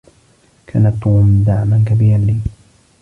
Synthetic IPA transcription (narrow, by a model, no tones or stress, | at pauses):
kʰa̰ːnat̪ːuːmd̪aʕmankabiːɾanliː